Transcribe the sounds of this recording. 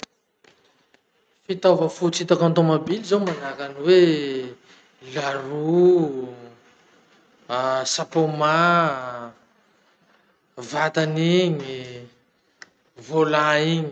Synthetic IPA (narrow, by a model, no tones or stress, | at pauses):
fit̪avəfut͡sit̪akant̪omobilizawmanakaniwe | laru | sapoma | vat̪aniɲi | volaiɲi